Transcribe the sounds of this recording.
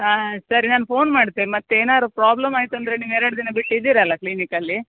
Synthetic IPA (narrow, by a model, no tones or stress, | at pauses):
aːsɐɾinaːnpʰo̞ːnmaːɽt̪inimɐt̪ːeeːnaːɾupɾaːblɐmaːjit̪uɐnd̪ɾeniːʋeːɾɐɽd̪iːnebiʈːid̪iːɾɐlːɐklinikɐlːi